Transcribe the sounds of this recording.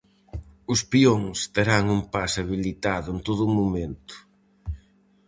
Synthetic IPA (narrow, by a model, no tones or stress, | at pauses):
ʊspioŋst̪eɾaŋumpasaβilit̪aðʊent̪oðʊmumẽnt̪ʊ̥